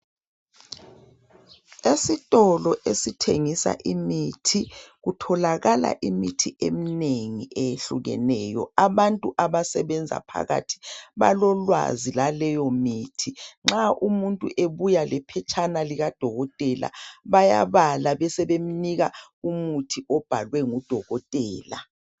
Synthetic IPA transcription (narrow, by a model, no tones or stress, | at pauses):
esitʼɔlɔʔesitʰeŋisa̰ʔimitʰiɣutʰɔlaɣala̰ʔimitʰiʔemiineŋiejeɬuɣɛ̰nɛːjɔ̰aβantʼuʔaβasɛβɛnd͡zʱa̰pʰa̰ɣa̰tʰi̥βa̰lɔlwa̰zilalɛjɔmiːtʰiŋ͡ǁaʔumuntʼuʔeβujalɛpʰɛt͡ʃʼʰanaliɣad̥ʱɔɣɔtʼɛla̰βaja̰βalaβɛsɛβem̩niɣaumutʰiʔɔb̥ʱalwɛŋud̥ʱɔɣɔtʼɛːla̰